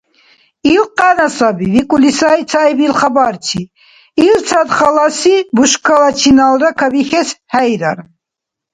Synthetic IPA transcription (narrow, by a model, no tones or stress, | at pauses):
ilqʼanasabivikʼulisait͡sʰajbilχabaɾt͡ʃʰi | ilt͡sʰad̪χɑlasibuʃkʰalat͡ʃʰinalɾakʰabixɛshɛjɾaɾ